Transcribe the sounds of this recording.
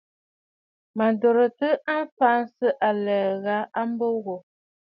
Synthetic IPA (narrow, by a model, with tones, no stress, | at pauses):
ma˨n˨do˨ɾə˨tə˦ʔa˦m˦fa˦n˦sə˦ʔa˨lə˨ɣa˦a˦m˦bo˦ɣo˨